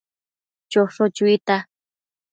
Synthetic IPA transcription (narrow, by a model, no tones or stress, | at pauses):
t͡ʃoʂot͡ʃʊjt̪a